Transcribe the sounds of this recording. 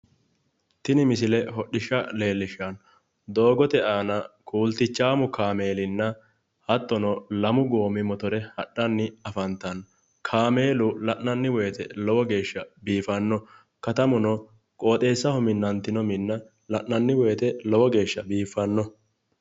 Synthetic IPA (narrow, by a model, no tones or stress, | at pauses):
t̪ɪnɪmɪsɪlɛɦɔɗɪʃːɐle̞ːlːɪʃɐn | d̪o̞ːɡɔt̪ɛaːnɐkʰuːlt̪ɪt͡ʃːaːmʊkaːme̞ːlɪnːɐ | hɐt̪ːɔnɔlɐmʊɡo̞ːmɪmɔt̪ɔɾɛhɐɗːɐnːɪɐfɐnt̪ɐn | kʰaːme̞ːlʊlɐʔnɐnːɪweːt̪ɛlɔwɔɡe̞ːʃːɐbiːfɐnːɔ | kɐt̪ɐmʊnɔ | kʼo̞ːt̪ʼe̞ːsːɐhɔmɪnːɐnt̪ɪnɔmɪnːɐ | lɐʔnɐnːɪweːt̪ɛlɔwɔɡe̞ːʃːɐbiːfːɐnːɔ